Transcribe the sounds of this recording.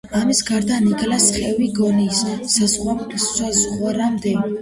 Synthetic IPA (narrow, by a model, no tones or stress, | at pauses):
amisɡaɾd̪anikʼlasχɛviɡɔnisːazʁwaazʁwaɾamd̪ɛ